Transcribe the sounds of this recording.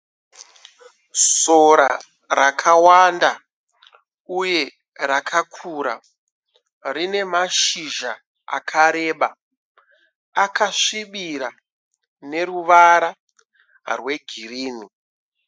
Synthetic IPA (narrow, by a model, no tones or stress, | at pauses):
soɾa | rakʰawanda | uje̞ | ɾakʰakʰuɾa | rine̞maʃiʒa | a̰kʰaɾe̞ːɓa | akaʂiɓiɾa | ne̞ruʋaɾa | rwe̞ɡʱiriːni